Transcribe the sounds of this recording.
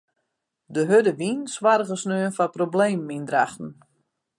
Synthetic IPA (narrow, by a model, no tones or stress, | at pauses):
dəɦødəʋinswaɾəɣəsnøːənfaprobleːmːindraxtn̩